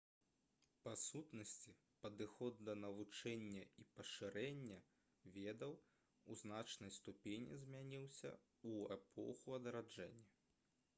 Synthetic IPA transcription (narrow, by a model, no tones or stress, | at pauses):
pasut̪nɐsʲt͡sʲi | pɐd̪ɨxɔd̪ːɐnɐvut͡ʂɛnʲːɐipɐʂɨɾɛnʲːɐ | vʲed̪ɐw | uznat͡ʂnɐjst̪upʲenʲḭzʲmʲanʲiwsʲɐ̰ | uɛpʰɔ̰xuɐd̪ɐɾad͡ʐɛnʲːɐ